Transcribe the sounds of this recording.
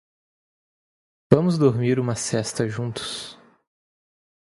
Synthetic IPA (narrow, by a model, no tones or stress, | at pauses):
vɐ̃mʊzd̪oɾmiɾũmɐsɛst̪ɐʒũt̪ʊ̥s